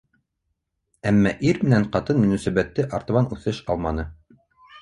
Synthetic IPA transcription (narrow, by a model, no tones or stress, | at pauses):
æmːæʔiɾmɘ̆næɴqɑt̪ɤnmɵ̆nɵ̆sæbæt̪ːɘʔɑɾt̪ɤ̆βɑnʉθɘʃɑlˠmɑnɤ